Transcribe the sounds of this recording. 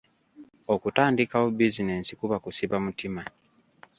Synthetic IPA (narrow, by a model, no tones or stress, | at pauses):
okutaːndikawobizinensikuβakusiβamutima